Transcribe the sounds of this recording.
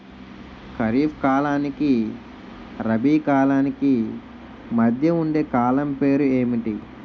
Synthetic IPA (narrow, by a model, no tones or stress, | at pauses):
kɐɾiːpʰkaːlaːniki | ɾɐbiːkaːlaːniki | mɐd̪ʱjɐuɳɖeːkaːlɐmpe̞ːɾueːmiʈi